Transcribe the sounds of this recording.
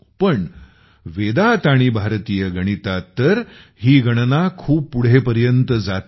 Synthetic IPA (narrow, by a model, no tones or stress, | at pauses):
pəɳ | ʋed̪at̪aɽ̃ibʱaɾt̪ijəɡʱəɽ̃it̪at̪əɾɦiːɡʱəɽ̃nakʰuːppːuɽ̤epəɾjənt̪əd͡zat̪